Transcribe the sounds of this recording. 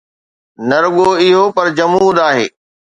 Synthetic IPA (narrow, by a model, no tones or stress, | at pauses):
nɐɾʊɠoɪɦopɐɾd͡ʑɐmuːd̪aːɦḛː